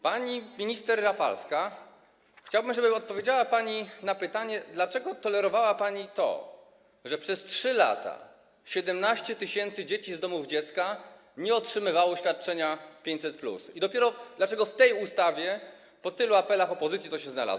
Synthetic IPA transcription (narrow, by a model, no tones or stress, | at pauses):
paɲimʲiɲist̪ɛɾːafa̰lska | xt͡ɕawbɘmʐɛbɘɔt̪̚pɔvʲjed͡ʑawapaɲinapɘt̪aɲɛd̪lat͡ʂɛɡɔt̪ɔlɛɾɔvawapaɲit̪ɔ̰ | ʐɛpʂɛstʂɘla̰t̪a̰ | ɕɛd̪ɛmnaɕt͡ɕɛt̪ɘɕɛnt̪sɘd͡ʑet͡ɕizd̪ɔmuvd͡ʑɛt̪ska | ɲɛɔtʂɘmɘvawɔɕfʲjat̪̚t͡ʂɛɲapʲjeɲt͡ɕ̪ʲsɛt̪plṵsid̪ɔpʲɛɾɔd̪lat͡ʂɛɡɔft̪ɛjust̪avʲjɛ | pɔt̪ɘluapɛlaxɔpɔzɘt̪sjit̪ɔɕɛzna̰la̰zw